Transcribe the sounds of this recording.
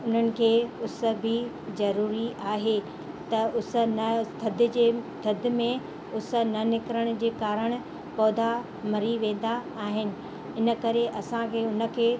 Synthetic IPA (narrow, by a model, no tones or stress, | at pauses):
ʊn̤ənɪ̆kʰeːʊs̆bʱɪ | zɐɾuːɾiʔaːɦe | t̪ɐʊs̆nɐt̪ʰɐd̪ʱɪ̆d͡ʑeːt̪ʰɐd̪ʱɪ̆mẽ | ʊs̆nɐnɪkɾəɽ̃̆d͡ʑeːkaːɾəɽ̃ʊ̆ | pɔːd̪a | mɐɾiʋẽːn̆d̪aːɦɪnɪ̆ | ɪnə̆kɐɾeʔɐsãkʰeːʊnə̆kʰeː